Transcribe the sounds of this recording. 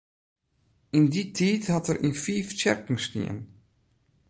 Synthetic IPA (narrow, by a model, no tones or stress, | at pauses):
ɪnditʰiːthɑtərʔinfiːft͡ʃɛ̰rkŋ̩stḭən